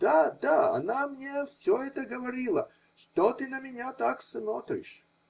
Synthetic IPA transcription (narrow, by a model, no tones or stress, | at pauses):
d̪̥ad̪aɐ̰namnʲefsʲoɛt̪əɡəvɐɾʲilˠə̰ | ʂt̪ot̪ɨnəmʲɪnʲat̪aksmot̪ɾʲɪ̰ʂ